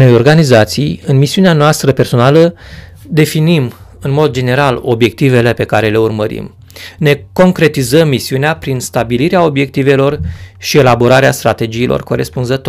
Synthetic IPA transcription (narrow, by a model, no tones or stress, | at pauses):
no̞jo̞rɡanizat̪sijɨnmisiuneanoast̪ɾəpe̞rso̞nalə | d̪e̞finim | ɨnmo̞d̪d͡ʒe̞ne̞ɾalo̞̰bje̞k̚t̪ive̞le̞pe̞kaɾe̞le̞urməɾḭm | ne̞ko̞ŋkɾe̞t̪izəmːisiuneapɾinst̪abiliɾeao̞bje̞k̚t̪ive̞lo̞rʃie̞laboɾaɾeast̪ɾat̪e̞d͡ʒiːlʔo̞̰rko̞ɾe̞spunzət̪o